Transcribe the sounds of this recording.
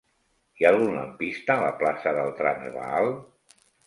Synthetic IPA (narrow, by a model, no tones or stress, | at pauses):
ialˠɣunla̰mpist̪alaplasəðəlˠt̪ɾanə̰rə̰alˠ